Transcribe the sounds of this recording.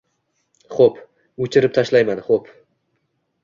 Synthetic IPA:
χop | ɵt͡ʃʰɪɾɪp̚t̪ʰaʃlajmanχop

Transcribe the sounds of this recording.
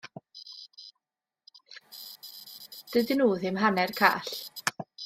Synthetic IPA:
d̥ɨdɨnuːðɪmɦanɛrkʰa̰ːɬ

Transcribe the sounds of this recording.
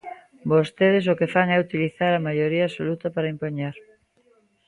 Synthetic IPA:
bost̪eð̞es̬okefaŋɛut̪iliθaɾɐmajoɾiɐaːsolut̪ɐpaɾɐimpoɲaɾ

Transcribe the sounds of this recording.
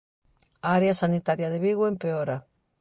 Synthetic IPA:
aaɾeasanit̪aɾjaðeβiɣwempeoɾa

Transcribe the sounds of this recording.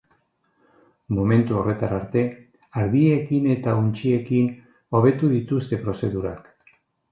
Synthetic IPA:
mo̞me̞nt̪uo̞re̞t̪aɾaɾt̪e̞ | aɾðie̞kine̞t̪aunt͡ʃie̞kin | o̞β̞e̞t̪uðit̪ust̪e̞pɾo̞se̞ðuɾa̰k

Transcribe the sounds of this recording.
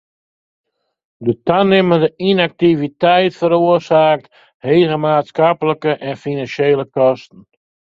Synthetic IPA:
dətanɪməndəʔinak̚tivitɛjtfəɾoərsaːk̚t | hejɣəmaːtskapələkəʔɛnfinansejləkɔstən̩

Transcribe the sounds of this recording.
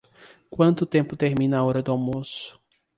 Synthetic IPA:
kwɐ̃nt̪ʊt̪ẽmpʊt̪eɾmĩnɐaɔɾɐd̪ʊawmosʊ̥

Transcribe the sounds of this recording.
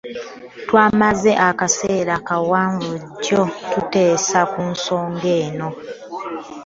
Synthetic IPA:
twaːmazeʔakaseːɾakawaːɱvuɟːotute̞ːsakunso̞ːŋɡe̞ːno̞

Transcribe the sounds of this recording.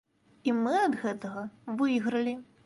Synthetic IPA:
imɨɐd̪ɣɛt̪ɐɣɐvɨjɣɾɐlʲi

